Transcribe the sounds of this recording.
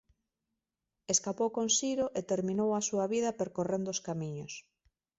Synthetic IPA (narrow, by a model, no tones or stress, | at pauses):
eskapowkoŋsiɾoʔet̪eɾmĩnowɐsuɐβiðɐpeɾkorend̪ʊskamiɲʊs